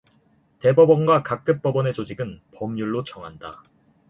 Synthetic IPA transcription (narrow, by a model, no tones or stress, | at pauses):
te̞bʌbʌnɡwakak̚k͈ɯp̚p͈ʌbʌne̞t͡ɕod͡ʑiɡɯnpʌmɲuɭːot͡ɕʌŋɦanda̰